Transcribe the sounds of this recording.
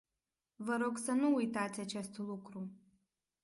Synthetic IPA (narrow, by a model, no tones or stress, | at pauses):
vəɾo̞ɡsənuːjt̪at̪sʲat͡ʃe̞st̪lukɾu